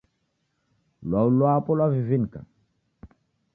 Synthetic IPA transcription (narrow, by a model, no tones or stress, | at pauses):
lwaulwapɔlwavivinka̰